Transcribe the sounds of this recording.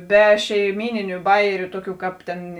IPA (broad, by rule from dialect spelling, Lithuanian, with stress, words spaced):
ˈbʲɛ ʃʲɛɪˈmʲiːnʲɪnʲʊ ˈbɑːjɛrʲʊ ˈtuɔˌkʲuː ˈkɑːp tʲeːn